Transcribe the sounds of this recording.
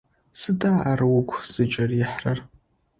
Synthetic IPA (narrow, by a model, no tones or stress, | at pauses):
sɨtʼaːʔarwʊkʷʰsɨt͡ʃʼariħrar